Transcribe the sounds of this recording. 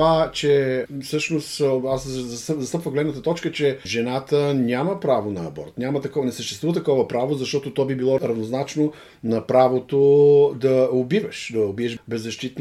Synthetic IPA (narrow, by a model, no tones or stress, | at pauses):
at͡ʃɛfsɤʃnost̪aszɐszɐst̪əpvəxɡlɛd̪nət̪ət̪ɔt͡ʃkət͡ʃɛʒɛnat̪ənʲaməpɾavonɐːbɔ̰ɾt̪nʲamət̪ɐkɔnɛsəʃt̪ɛst̪vuvət̪ɐkɔvəpɾavozɐʃt̪ɔt̪ot̪ɔbibilˠɔɾɐvnoznat͡ʃno | nɐpɾavot̪od̪ɐobivɐʃd̪ɐobiɛʃbɛzːɐʃt̪it̪